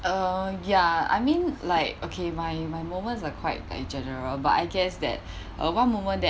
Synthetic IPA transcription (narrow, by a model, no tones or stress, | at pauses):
ʔʌjaa̰jmĩnlaɪk̚okʰemajmajmomə̃ns̬akʰwaɪt̚la̰ɪk̚d͡ʒɛnəɹəlba̰taɪɡɛsdɛ̰t̚ | ʔə̰wãnmomə̃ndɛ